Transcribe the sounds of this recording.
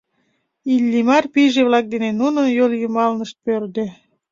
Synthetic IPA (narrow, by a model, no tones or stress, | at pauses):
ilʲːimɑrpiʒeβlɑk̚d̪enenunənjoljumɑlnəʃt̪̚pørd̪e